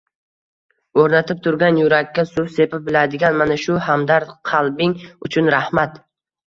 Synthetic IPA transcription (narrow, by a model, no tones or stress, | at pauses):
oɾnat̪ʰɪp̚t̪ʰʊɾɡʲanjʊɾakʲːasʊfse̞pɪbɪlad̪ɪɡʲanmanaʃʊhamd̪aɾqʰɑlˠbɪŋʊt͡ʃʰʊnɾahmat̪